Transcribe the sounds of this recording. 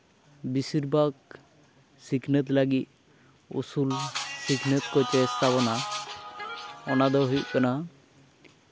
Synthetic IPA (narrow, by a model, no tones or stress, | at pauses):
bisiɾbak̚ | sikʰnet̪laɡit̪̚ | ṵsulsikʰnət̪kot͡ʃest̪ʰapɔna | ɔnad̪ɔɦujʔkɛna